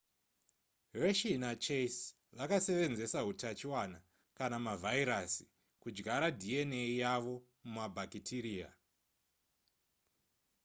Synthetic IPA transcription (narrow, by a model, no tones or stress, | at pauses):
reʃinat͡ʃeis | rakase̞ʋe̞nze̞saɦutat͡ʃiwana | kanamavʱaiɾasi̥ | kud͡ʒɡaɾadʱieneijaʋo̞ | mumabʱakitʰiɾiːa̰